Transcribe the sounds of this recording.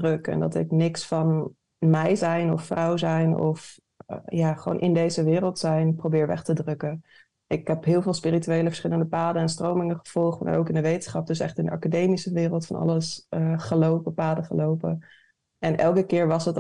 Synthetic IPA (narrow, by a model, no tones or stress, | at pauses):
drɵkɛ̰ndɑ̰tɪ̰knɪksfɑn | mɛjzɛjnɔ̰fːrɑwzɛjnɔ̰f | jaːχəʋo̰wnʔɪndejzəʋɪːrəlˠtsɛjnprowbɪːɹʋɛ̰χtədrɵkə | ʔɪkɦɛpɦɪːlˠvɪːlˠspɪrityejləvəɹsχɪləndəpaːdənɛnstrowmɪŋəχə̥v̥ɔlˠχtma̰ɹowkɪndəʋejtənsχɑp̚dɵsɛχtɪndəɑ̰kadejmisəʋɪːrəlˠtfɑ̰nɑ̰ləsəχəlowpəpaːdəχəlowpə | ɛnʔɛ̰lˠkəkɪːɹʋɑsət